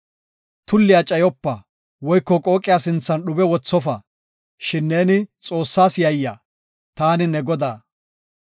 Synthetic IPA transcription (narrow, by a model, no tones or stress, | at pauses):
t̪ʊlːɪjat͡ʃʼɐjɔpːɐ | wɔjkːɔkʼo̞ːkʼːɪjasɪnt͡sːɐnɗʊbɛwɔt͡sːɔfɐ | ʃɪnːe̞ːnɪt͡sʼo̞ːsːaːsjɐjːa | t̪aːnɪnɛɡɔd̪aː